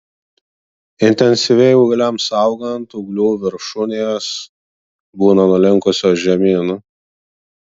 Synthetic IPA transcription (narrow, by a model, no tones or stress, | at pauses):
ɪnʲt̪ʲɛnʲsʲɪʋʲɛɪʊːɡɐlʲɛmsɐˑʊɡɐnt̪ʊɡlʲuːʋʲɪɾʃʊnʲeːs | buːnɐnʊlʲɪŋkʊsʲoːʒʲɛmʲiːnʊ